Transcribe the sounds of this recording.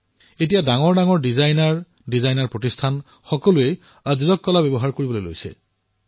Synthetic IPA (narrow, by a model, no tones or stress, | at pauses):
etijadaŋɔɹdaŋɔɹdizajnaɹ | dizajnaɹpɹotistʰan | xɔkɔlue | azizɔkːɔlabɛbɔɦaɹkoɹibɔlojlo̰jsɛ̰